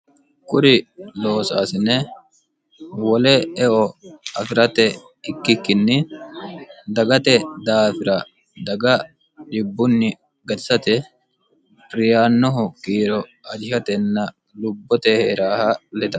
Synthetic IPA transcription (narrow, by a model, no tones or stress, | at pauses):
kʼʊɾɪlo̞ːsa̰ːsɪnɛ | wɔlɛɛʔɔɐfɪɾɐt̪ɛ | ɪkːɪkːɪnːɪ | d̪ɐɡɐt̪ɛd̪aːfɪɾɐ | d̪ɐɡɐ | ᶑɪbːʊnːɪ | ɡɐt̪ɪ̥sɐt̪ɛ | ɾɪjaːnːɔɦʊkiːɾɔɐd͡ʒɪhɐt̪ɛnːɐ | lʊbːɔt̪ɛheːɾaːhɐlɛd̪ɐ